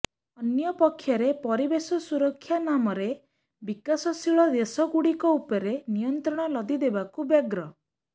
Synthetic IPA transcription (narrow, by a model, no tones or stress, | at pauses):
ɔnjɔpɔkʰːjɔɾepɔɾibesɔsuɾɔkʰːjanamɔɾe | bikasɔsiɭɔd̪esɔɡuɽikɔupɔɾenijɔnt̪ɾɔɽ̃ɔlɔd̪id̪ebakubjaɡɾɔ